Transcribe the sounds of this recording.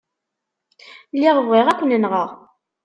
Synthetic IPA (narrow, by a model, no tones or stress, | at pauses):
lːiʁəvʁiʁækʷːənənʁəʁ